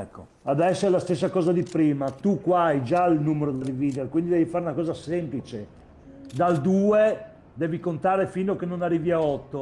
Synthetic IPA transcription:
ɛkːo̰ | ad̪ɛsːoɛlast̪es̬ːakɔːzad̪ipɾiːmat̪ukːwajd͡ʒailnuːmeɾod̪eriviːd̪eɾkwind̪id̪ɛvifaɾunakɔːzasemplit͡ʃe | d̪ald̪uːe | d̪ɛːvikont̪aːɾefinokenːonarːiːviaɔt̪ːo

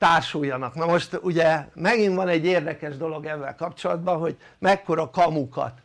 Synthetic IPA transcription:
t̪aːrʃujːɒnɒknɒmo̞ʃt̪uɟɛmɛɡiɱvɒnɛɟːeːrd̪ɛkɛʒd̪o̞lo̞ɡɛvːɛ̰lkɒpt͡ʃo̞lɒd̪bɒɦo̞ɟmɛkːo̞ɾɒkɒmukɒ̰t̪

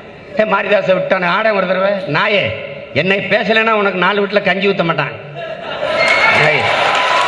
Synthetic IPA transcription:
ẽːmaːɾiðaːsɐʋɪʈːaːnɐaːɽɐ̃ʋɐɾɯðɐɾɐʋeːnaːjeː | ɛnːɐɪpeːsɐlenːaːʊnɐkːɯnaːlɯʋiːʈ̬ːɪlɐkɐɲd͡ʒɪʋɯt̪ːɐmaːʈːã̰ːŋ | nɐj

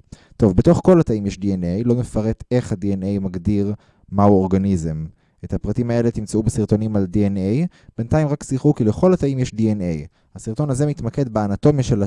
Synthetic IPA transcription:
t̪o̞vbeto̞χko̞lataimjeʃdienejlo̞mefaʁe̞t̪e̞χhadiene̞jmaɡdiʁ | mauo̞ʁɡanize̞m | ʔethapʁatimae̞le̞t̪imt͡seubesiʁt̪o̞nimaldiene̞jb̥e̞nt̪aimʁaksiχukileχo̞lhataimjeʃdienej | hasiʁt̪o̞nazemit̪make̞dbeanat̪o̞mjaʃe̞la

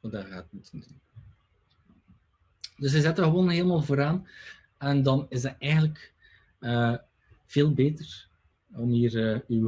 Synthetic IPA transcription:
daɣaːtmutʰəndun | dəs̬ɛzɛtərɣəʋoːnɦeːlˠəmaːlˠvoːɾaːn | ɛndɑnɪzdɛtɛjɣən̩tlək | ə | v̥eːlˠbeːtər | ɔmiːrəyw

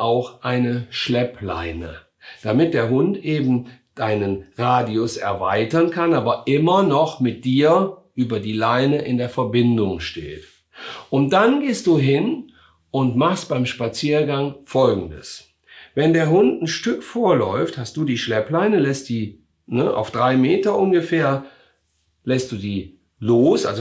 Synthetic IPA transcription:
ʔaʊxʔaɪnəʃlɛpla̰ɪnə̰ | d̥amɪt̚d̥eːɐɦʊntʔeːbm̩d̥aɪnənʁaːdiʊsɛ̰ɐva̰ɪtɐnkʰanaːbɐʔɪmɐnɔχmɪt̚d̥iːɐʔyːbɐdiːlaɪnəʔɪndeːɐfɛɐbɪndʊŋʃtḛːt | ʔʊntd̥anɡeːst̚d̥uːɦɪn | ʔʊntmaχstb̥aɪmʃpat͡siːɐɡaŋfɔlɡŋ̩də̰s | vɛndeːɐɦʊntn̩ʃtʏkfoːɐlɔʏfthast̚d̥uːdiːʃlɛplaɪnəlɛst̚d̥iː | nəʔa̰ʊfd̥ʁaɪmeːtɐʔʊnɡəfeːɐ | lɛst̚d̥uːdiː | loːsʔa̰lz

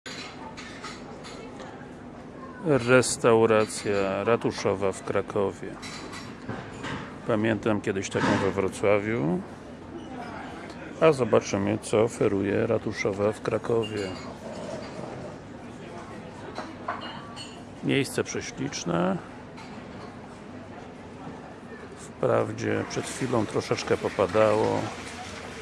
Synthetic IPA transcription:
ɾɛst̪awɾat̪sʲjaɾat̪uʂɔvafkɾakʰɔvʲjɛ | pamʲjɛnt̪amkʲɛd̪ɘɕt̪akɔ̃w̃vɛvɾɔt̪swavʲju | azɔbat͡ʂɘmɘt̪sɔːfɛɾujɛɾat̪uʂɔvafkɾakʰɔvʲjɛ | mʲjejst̪sɛpʂɛɕlʲit͡ʂnɛ | fpɾa̰vd͡ʑɛ̰pʂɛt̪xfʲilɔ̃w̃t̪ɾɔʂɛt͡ʂkɛpɔpad̪awɔ̰

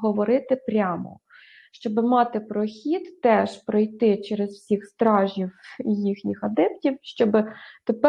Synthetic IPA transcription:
ɦɔʋɔɾɪt̪ɪpɾʲamɔ̰ | ʃt͡ʃɔbɪmɑt̪ɪpɾɔxʲid̪ːɛʃpɾɔjt̪ɪt͡ʃɛɾezwsʲixst̪ɾɑʒʲiwjixnʲixɐd̪ɛp̚tʲiwʃt͡ʃɔbɪt̪epɛ

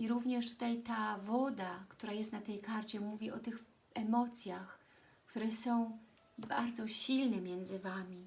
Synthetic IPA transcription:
iɾuvɲɛʂt̪u̥t̪ajt̪avɔd̪akt̪uɾajɛst̪nat̪ɛjkaɾt͡ɕɛmuvʲiʔɔt̪ɘx | ɛmɔt̪sʲjax | kt̪uɾɛsɔ̃w̃ | baɾd̪zɔɕilnɛmʲjɛnd̪zɘvamʲi

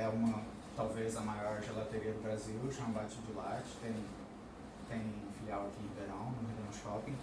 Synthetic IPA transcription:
ɛũmɐ | t̪awvezɐmajɔɾʒelat̪eɾiɐd̪ʊbɾaziwʃɐ̃bat͡ʃɪd̪ʊlat͡ʃɪ̥t̪ẽj̃ | t̪ẽj̃ũfiliawɐkĩĩbeɾɐ̃w̃nʊd̪ɐ̃wʃɔpĩ

